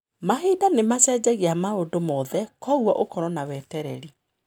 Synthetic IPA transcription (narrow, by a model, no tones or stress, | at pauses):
maɦiːdanemasɛːd͡ʑɛɣiamaodomɔðɛkɔɣwɔʔokɔɾɔnawɛtɛɾɛɾi